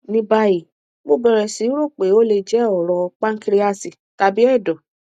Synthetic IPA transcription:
nĩ˧ba˧ji˨ | mo˦˨bɛ˨ɾɛ˨si˨˦ɾo˦˨k͡pe˨˦o˦le˧d͡ʒɛ˦ɔ˨ɾɔ˧k͡pa˦ŋ̩˦ki˧ɾi˦a˧si˨ | ta˧bi˦ɛ˦˨dɔ˨

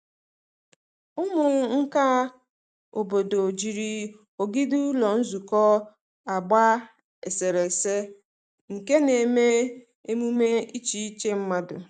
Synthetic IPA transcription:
ʊ˦mʊ˨ŋ̩˦ka˦ | o̰˨bo˨do˨d͡ʒi˨ɾi˨ | o˨ɡi˦du˦lɔ˨n̩˦zu˨kɔ˦ | a˨ɡ͡ba˦ | e˨se˨ɾe˨se˦ | ŋ̩˨ke˦ne˨me˦ | e˦mu˦me˦i˦t͡ʃi˦i˦t͡ʃe˦m̩˦ma˦dʊ̰˨

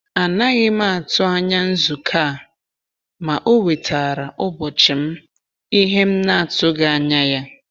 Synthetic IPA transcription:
a˨na˦ɣɪ˦ma˦a˨tʊ˦a˦ɲa˦n̩˦zu˨kʰa˦˨ | ma˨ʔo˦we˨tʰa˨ɾa˨ʔʊ˦bɔ˨t͡ʃɪ˨m̩˦ | i˦ɦe˦m̩˦na˦a˨tʊ˦ɡa˦˨a˨ɲa˦ja˦

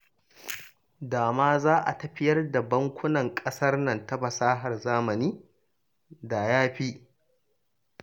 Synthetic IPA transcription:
daː˨maː˦zaː˦ʔa̰˨tɐ˨ɸɪ˦jɐ˦rdɐ˨bɐ˦ŋkʷʊ˦nɐ˨ŋkʼɐ˦sɐ˦rnɐ˨ntɐ˦bɐ˨saː˦ɦɐ˨rzaː˦mɐ˨niː˦ | da˨jaː˦ɸiː˦

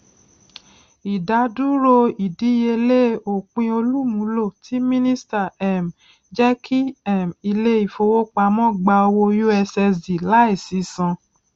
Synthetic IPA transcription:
i˨da˨˦du˦ɾo˧i˨di˨˦je˧le˦o˨k͡pĩ˧o˧lu˦mũ˨˦lo˦˨tʰi˨˦mĩ˦nĩ˦sta˦˨ɛ˨m | d͡ʒɛ˦kʰi˦ɛ˦˨mi˧le˦i˦˨fo˧wo˦k͡pa˧mɔ̃˦˨ɡ͡ba˧o˧wo˧ju˦ɛ˧sɛ˧zi˨la˨˦i˦˨si˨˦sã˧

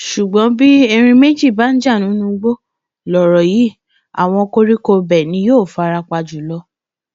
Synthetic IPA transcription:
ʃu˨ɡ͡bɔ̃˨˦bi˦ɛ˧ɾ̃ĩ˧me˦d͡ʒi˦˨ba˨˦n̩˦d͡ʒa˦˨nũ˨˦nũ˦ɡ͡bo˦ | lɔ˨ɾɔ˨ji˨˦ | a̰˨w̃ɔ̃˧ko˦ɾi˦ko˧bɛ˨nĩ˧˦joː˦˨fa˧ɾa˧k͡pa˧d͡ʒu˨˦lɔ˧˦

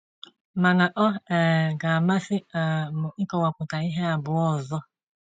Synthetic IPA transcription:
ma˨na˨ʔɔ˦ɛ˨ɡa˨ma˦sɪ˦a˨mʊ˨ɪ˦kɔ˨wa˨kʷʊ˨ta˨i˦ɦe˦a˨bʊ˨ɔ˨zɔ˦

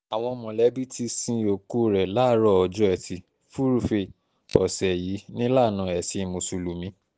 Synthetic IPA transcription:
a˨w̃ɔ̃˧mɔ̃˨lɛ˨˦bi˦ti˧sĩ˧o˨ku˦ɾɛ˨la˨˦ɾɔ˦˨ɔ˨d͡ʒɔ˨˦ɛ˨ti˧ | fu˦ɾu˨fe˧˨ | ɔ̰˨sɛ˨ji˨˦nĩ˦la˦˨nã˨˧˦ɛ˨si˧˦˧mo˨su˨lu˨mĩ˨˦

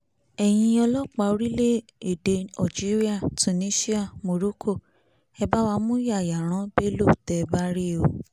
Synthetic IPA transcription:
ɛ˨j̃ĩ˧ɔ˧lɔ˦k͡pa˧˦o˧ɾi˦le˦e˨de˧a˨d͡ʒi˨˦ɾi˦a˦˨tu˨nĩ˦si˦a˦˨mo˧ɾo˦kʰo˦˨ | ɛ˧ba˦wa˧mũ˦ja˦˨ja˨ɾ̃ã˨˦be˦lu˦˨tɛ˨ba˦ɾi˦˨o˨

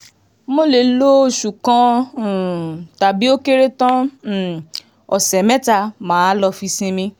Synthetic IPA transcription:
mo˦le˨lo˦˨ʃu˨kã˦˨ | ta˨bi˦o˦ke˦ɾe˦tã˦˨ | ɔ̰˨sɛ˨mɛ˦ta˧mãː˨˦lɔ˧fi˧sĩ˧mĩ˧

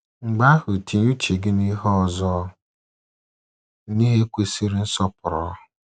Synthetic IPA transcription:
ŋ͡m̩˨ɡ͡ba˦hʊ˨tʰi˨nu˦t͡ʃe˨ɡɪ˦ni˦ɦɔ˦˨zɔ˦ | ni˦ɦe˦kʷe˨si˦ɾi˦n̩˦sɔ˦pʊ˨ɾɔ̰˨˦˨

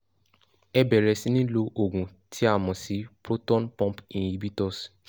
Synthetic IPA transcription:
ɛ˦bɛ˨ɾɛ˧si˦nĩ˦lo˧ʔo˨ɡũ˨ | tʰi˦a˦˨mɔ̃˨si˨˦bɾo˦tɔ̃˦npɔ̃˦pĩ˨i˦bi˦tɔ˦˨s

